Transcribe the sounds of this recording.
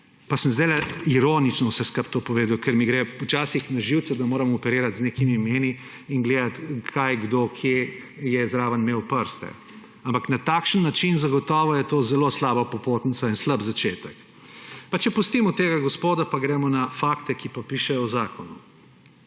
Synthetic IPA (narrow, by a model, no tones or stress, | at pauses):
pasəmzd̪alɛiɾoːnit͡ʃnɔwsɛskəp̚t̪oːpɔʋeːd̪ɐwkʰɛɾmiɡɾɛut͡ʃaːsixnaʒiwt̪sɛd̪amoːɾɛmɔɔpɛɾeːɾat̪zneːkimimeːni | inɡleːd̪at̪kʰajɡd̪oːkʰje | jɛzɾaːʋənmeːwpəɾst̪ɛ̰ | ampaknat̪aːkʃənːat͡ʃinzaɡɔt̪ɔːʋɔjɛt̪oːzɛloslaːbapɔpoːt̪nitsainslabzat͡ʃeːt̪ək | pat͡ʃɛpust̪imɔt̪eːɡaɡɔspoːd̪apaɡɾɛːmɔnafaːkt̪ɛkipapiːʃɛjɔwzaːkʰɔnu